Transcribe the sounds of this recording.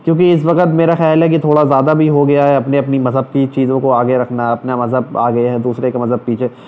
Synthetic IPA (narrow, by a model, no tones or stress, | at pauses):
kjõːkiɪs̬ʋɐkət̪meːɾaxɛːlɦɛket̪ʰoːɽazjaːd̪abʱiɦoɡɐjaɦɛɐpneɐpnimɐzʱɦəb̚kit͡ʃiːzõkoaːɡeɾɐkʰnaɦɛɐpnamɐzʱəb̚aːɡɐeɦɛd̪uːsɾekemɐzʱəb̚piːt͡ʃʰe